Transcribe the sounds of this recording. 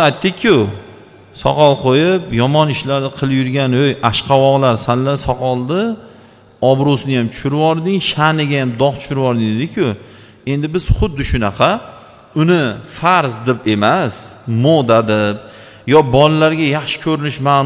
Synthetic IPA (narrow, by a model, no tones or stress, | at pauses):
ajt̪ʰːɪkʲʰːjʊ | sɒ̰qʰɒlˠqʰojɪpjɒmɒnɪʃlaɾd̪ɪqʰɨlˠɪjʊɾɡʲanojʔaʃqʰɑwɒʁlaɾsanlasɒqʰɒlˠd̪ɪ | ɒbɾosɪnɪjamt͡ʃʰʊ̥ʃʊɾɪvɒɾd̪ɪŋʃanɪɡʲajamd̪ɒχt͡ʃ̪ʰʊ̥ʃʊɾɪvɒɾd̪ɪŋd̪ed̪ɪkʲʰjʊ | e̞nd̪ɪbɪz̥χʊd̪ːɪʃʊnɑqʰɑ | ʊnɪfaɾzd̪ɪpe̞masmod̪ad̪ɪp̚ | jɒbɒlalaɾɡʲajaχʃɪ̥kʲʰɵɾɪnɪʃma